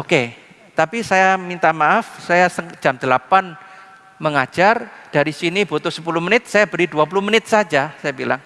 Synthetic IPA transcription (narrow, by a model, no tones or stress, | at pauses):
oke | t̪apisajamint̪amaʔafsajasə̥d͡ʒ̥amd̥əlapan | məŋḁd͡ʒ̥ard̥aɾisinib̥ot̪ʊsə̥pulʊhmənɪt̪̚sajabəɾiduap̬ulʊhmənɪt̪̚sad͡ʒasajabila̰ŋ